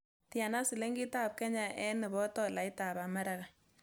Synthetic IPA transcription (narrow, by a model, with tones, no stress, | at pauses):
tɪ˦a˨na˦su˨le˦ŋɡi˦ta˦˨p̚kɛ˦ɲa˨ʔɛ˦nɛ˨bɔ˦tɔ˦la˨ɪ˦ta˨ba˨ma˦ɾa˦ka˨